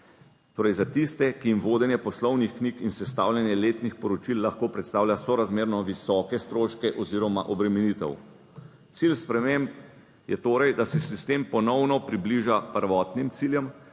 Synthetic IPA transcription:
t̪oːɾɛjzat̪ist̪ɛkijimʋoːd̪ɛnjɛpɔslɔwnixknikinsɛst̪a̰ːwljɛnjɛleːt̪nixpɔɾɔt͡ʃilːaxkoːpɾɛt̪st̪aːwlʲjasɔɾazmeːɾnɔʋisɔkɛst̪ɾoːʃkɛʔɔziɾɔmaʔɔbɾɛmɛnit̪ɛ̰w | t̪silspɾɛmemp | jɛt̪oːɾɛjd̪asɛsist̪empɔnɔwnɔpɾibliʒapəɾʋɔt̪nimt̪siːljɛm

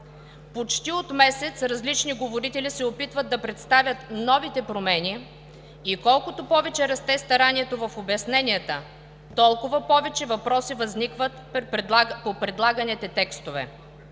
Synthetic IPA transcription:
pot͡ʃt̪iot̪mɛsɛt̪sɾɐzlit͡ʃniɡovoɾit̪ɛlʲisɛopit̪vəd̪d̪ːɐpɾɛt̪st̪avʲjət̪nɔvit̪ɛpɾomɛni | ikɔlˠkot̪opɔvɛt͡ʃɛɾɐst̪ɛst̪ɐɾanʲiɛt̪ovɐfobɛsnɛnʲiət̪ə | t̪ɔlˠkʊvɐpɔvɛt͡ʃɛvɐpɾɔsivɐznikvət̪ | popɾɛd̪lˠaɡɐnɛt̪ɛt̪ɛkst̪ovɛ̰

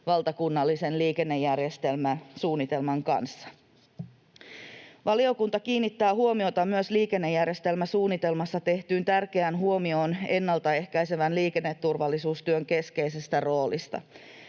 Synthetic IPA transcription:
ʋɑlt̪ɑkunːɑlːise̞nliːke̞nːe̞jːærjest̪e̞lmæsuːnːit̪e̞lmɑŋkɑ̰nsːɑ̥ | ʋɑlio̞kunt̪ɑkiːnːit̪ːæːɦuomio̞t̪ɑmyøsliːke̞nːejːærjest̪e̞lmæsuːnːit̪e̞lmɑsːɑt̪e̞ht̪yːnt̪ærke̞ænɦuomio̞ːne̞nːɑlt̪ɑe̞hkæjse̞ʋænliːke̞nːe̞t̪ːurʋɑlːisuːst̪yøŋke̞ske̞ise̞st̪æro̞ːlḭst̪ɑ̰

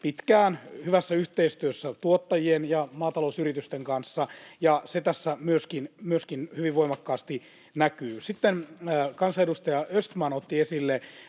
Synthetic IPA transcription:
pit̪kæːnhyʋæsːæyht̪eist̪yøsːæt̪uot̪ːɑjienjɑmɑːt̪ɑlousyrit̪yst̪eŋkɑnsːɑjɑset̪æsːæmyøskinmyøskinhyʋiʋʋoimɑkːɑːst̪i | nækyːsit̪ːenkɑnsɑedust̪ɑjɑøst̪mɑnot̪ːiesilːe

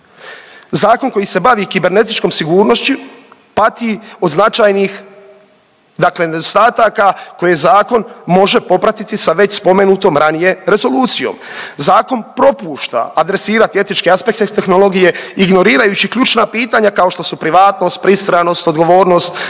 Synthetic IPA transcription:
zaːko̞nko̞jise̞baʋikibe̞ɾne̞t̪it͡ʃko̞msiɡuːɾno̞st͡ɕupat̪io̞d̪znat͡ʃajnix | d̪akle̞ne̞d̪o̞st̪aːt̪akako̞jezaːko̞nmo̞ʒe̞po̞pɾat̪it̪isaʋe̞t͡ɕspo̞me̞nuːt̪o̞mɾanije̞ɾe̞zo̞luːt̪sijo̞̰mzaːko̞npɾo̞puːʃt̪a̰ːd̪ɾe̞siːɾat̪iet̪nit͡ʃkeaspe̞k̚t̪et̪e̞xno̞lˠo̞ɡije̞iɡno̞ɾiːɾajut͡ɕikʎut͡ʃnapiːt̪aɲakao̞ʃt̪o̞supɾiʋaːt̪no̞st̪̚pɾisɾano̞st̪o̞d̪ɡo̞ʋoːɾno̞st̪

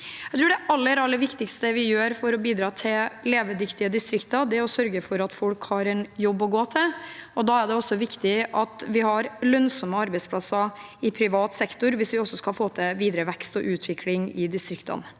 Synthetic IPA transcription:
æɛt̪ʰɾʉːɖ̪ɛʔɑlːəɾɑlːəɾʋɪkt̪ɪkst̪əʋɪjøːɾfɔɾɔbiːd̪ɾɑːt̪ʰɪlleːʋəd̪ʏkt̪ɪəd̪ɪst̪ɾɪkt̪ɑd̪ɛɔsœɾɡəfɔɾɑt̪fɔlkhɑɾɛnjɔbːɔɡoːt̪ʰɪɔd̪ɑːæɖ̪ɛɔsːɔʋɪkt̪ɪʔɑt̪ʋɪhɑɾlœnsɔməɑɾbɛɪspʰlɑsɑɪpʰɾɪʋɑːt̪sɛkt̪ʊɾʋɪsʋɪɔsːɔskɑlfoːt̪ʰɛʋiːd̪ɾəʋɛkst̪ɔ̰ʔʉːt̪ʰʋɪkʰlɪŋɪd̪ɪst̪ɾɪkt̪ə̰n

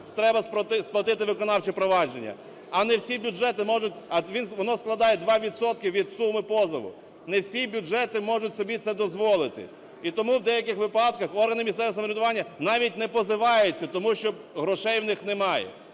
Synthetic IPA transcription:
t̪ɾɛbɐspɐt̪ɪsplˠɐt̪ɪt̪ɪʋɪkɔnɑwt͡ʃipɾɔʋɑd͡ʒenʲːɐ̰ | ɐnɛwsʲibʲʊd͡ʒɛt̪ɪmɔʒʊtʲɐʋʲinʋɔnɔsklˠɐd̪ɑjɛd̪ʋɑʋʲit̪sɔt̪̚kɪʋʲid̪sumɪpɔzɐʋʊ̰ | nɛwsʲibʲʊʐɛt̪ɪmɔʐʊtʲsɔbʲit̪sɛd̪ɔzʋɔlˠɪt̪ɪ̰ | it̪ɔmuwd̪ɛjɐkɪxʋɪpɑd̪̚kɐxɔrɦɐnɪmʲisɛʋɛsɐmɔɾʲɪd̪ʊʋɑnʲːɐnɑʋʲit̚ʲnɛpɔzɪʋɑjʊt͡sʲːɐt̪ɔmuʃt͡ʃɔb | ɦɾɔʃɛjwnɪxnɛmɑjɛ̰

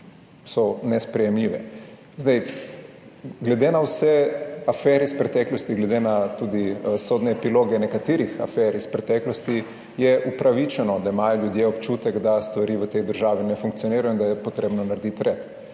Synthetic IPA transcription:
sɔnɛspɾɛjɛmliʋɛ̰ | zd̪ɛj | ɡlɛd̪enawsɛafɛɾispɾɛt̪ɛklɔst̪iɡlɛd̪enat̪uːd̪isod̪nɛːpiloːɡɛnɛkat̪iːɾixa̰fɛɾispɾɛt̪ɛːklɔst̪i | jɛʔupɾaʋit͡ʃɛnɔd̪aimaːjɔljud̪jeopt͡ʃuːt̪ɛɡd̪ast̪ʋaɾiːʋət̪ejd̪əɾʒaːʋinɛfuŋk̚t̪sioniːɾajoind̪ajɛpot̪ɾeːbnɔnaɾd̪it̪ɾɛt̪

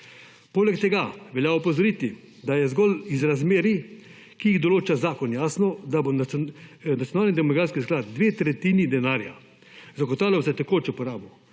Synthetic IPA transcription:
poːlɛkt̪ɛɡaʋɛljaːɔpɔzɔɾit̪i | d̪ajɛzɡɔlizɾazmeːɾi | kijiɣd̪ɔloːt͡ʃazaːkɔnjaːsnɔd̪abo | nat̪ijɔnaːlnid̪ɛmɔɡɾaːskisklaːt̪d̪ʋeːt̪ɾɛt̪iːnid̪ɛnaːɾja̰ | zakɔt̪aːwlɔsɛt̪ɛkoːt͡ʃɛpɔɾaːbɔ

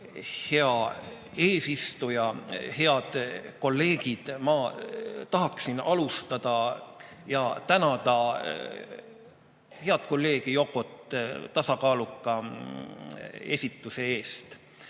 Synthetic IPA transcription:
he̞ɑ | e̞ːsist̪ujɑhe̞ɑd̪̥ko̞lːe̞ːɡ̥id̪̥mɑt̪ɑɦɑksinɑlust̪ɑd̪̥ɑ | jɑt̪ænɑd̪̥ɑ | he̞ɑt̪̚ko̞lːe̞ːɡ̥ijo̞kːˑo̞t̪ːˑt̪ɑsɑkɑːlukːˑɑ | e̞sʲit̪ːˑuse̞e̞ːst̪

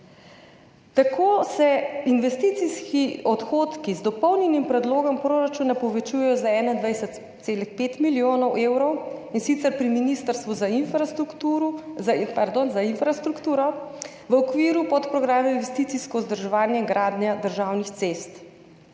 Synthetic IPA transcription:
t̪akʰoːsɛinʋɛst̪it̪siskiɔt̪xoːt̪kizd̪ɔpɔwnjɛnimpɾɛd̪loːɡɔmpɾoːɾat͡ʃuːnapɔʋɛt͡ʃuːjɛjɔzaɛːnaind̪ʋɛjsɛt̪seːlixpeːt̪miljoːnɔwʔewɾɔwinsit̪sɛɾpɾiminist̪əɾst̪ʋuzafu | paɾd̪onzainfɾast̪ɾukt̪uːɾɔ | ʋəɔkʋiːɾupɔt̪pɾɔɡɾaːmɛminʋɛst̪it̪siskɔzd̪əɾʒɛʋaːnjɛɡɾaːd̪njad̪əɾʒaːwnixt̪sest̪

